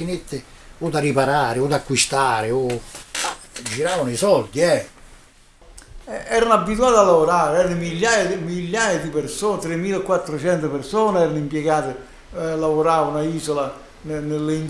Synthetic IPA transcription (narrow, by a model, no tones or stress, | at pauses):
inet̪ːɪ | ud̪aripaɾaːɾɪʊd̪akːwist̪aːɾɪo | d͡ʒiɾaːvanʊisɔld̪iɛ | ɛɛːɾanʊabːit̪uaːt̪alːavoɾaːɾeɛːɾanomiʎːaːjaimiʎːaːjad̪ipɪrsoːnt̪ɾɪmːiːlkwat̪ːɾot͡ʃɛnt̪ʊpersɔːnɛːɾanimpjɛɡaːt̪ɪ | lavoɾaːvanʊaiːsola | nnɪlːein